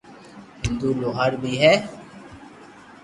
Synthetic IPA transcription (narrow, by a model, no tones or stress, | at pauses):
ɦɪnd̪uːloːɦəɾbʱiːɦɛː